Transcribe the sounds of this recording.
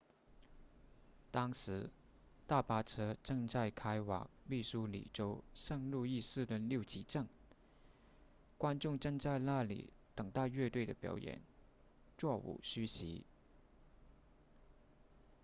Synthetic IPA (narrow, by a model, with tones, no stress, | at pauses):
t̪ɑ˥ŋʂɻ̩˧˥ | t̪a˥˩pa˥ʈ͡ʂʰɤ˥ʈ͡ʂɤ˥˧ŋt͡sa˥˩ɪkʰa˥ɪwɑ̰˨˩ŋmi˥˩ʂu˥lḭ˨˩ʈ͡ʂo˥ʊʂə˥˧ŋlu˥˧i˥˧sɹ̩˥˩d̪ə˩ljo˥˩ʊt͡ɕʰi˧˥ʈ͡ʂɤ˥˩ŋ | kwa˥nʈ͡ʂʊ˥˧ŋʈ͡ʂɤ˥˧ŋt͡sa˥˧ɪla˥˩lḭ˨˩t̪ə˨˩ŋt̪a˥˧ɥɛ˥˧t̪we˥˩ɪd̪ə̰˩pjɑ̰˨˩ʊjɛ̰˨˩˦n | t͡swɔ˥˩ṵ˨˩ɕy˥ɕḭ˧˥